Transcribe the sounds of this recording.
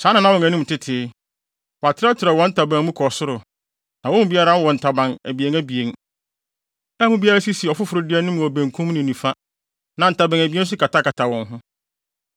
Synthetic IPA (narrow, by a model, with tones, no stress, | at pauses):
sã˨˦nɪ̃˨nã˨˦wɔ̃˨ŋæ̃˨nũ˦m˨tɪ˦tʰɪ˨˦ | wɔ˨a˨tʰɪ˦ɾa˦tʰɪ˨ɾɛ˨wɔ̃˨˦n̩˦tʰa˨bã˨ŋ˦mũ˦kʰɔ˨sʊ˦ɾʊ˨ | nã˨wɔ̃˦m̃˦bi˦a˦ɾa˦wɔ̃˨n̩˨tʰa˨bã˨ŋæ˨bi˨e˦ŋæ˦bi˨e˨ŋ | nã˦mũ˦bi˦a˦ɾa˦si˦si˨ɔ˨fʊ˦fʊ˨ɾʊ˨˦dɪ˦ɛ˦nʊ̃˦mʊ̃˨ɔ˨bæ̃˨ŋkʰũ˦mnɪ̃˨nũ˨fa˦ | nã˨n̩˨ta˨bã˨næ˨bi˦e˦n̩˦s̬ʊ˦kʰa˨tʰa˦ka˨tʰa˨wɔ̃˨ŋɦʊ̃˦